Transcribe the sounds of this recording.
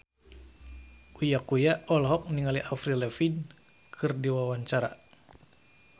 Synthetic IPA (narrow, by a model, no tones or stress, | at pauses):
ujakujaɔlɦɔk̚niŋaliʔafɾilɛfin | kʰɨrdiwawaɲt͡ʃaɾa̰